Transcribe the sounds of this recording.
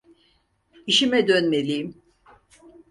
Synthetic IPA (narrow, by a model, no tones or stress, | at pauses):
iʃimɛd̪ønme̞lʲim